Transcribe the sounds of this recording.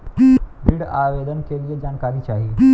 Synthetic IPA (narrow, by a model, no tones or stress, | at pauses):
bʱɪɽa̰ːʋeːd̪ənkʰeliəd͡ʒaːnkaːɾit͡ʃaːɦiː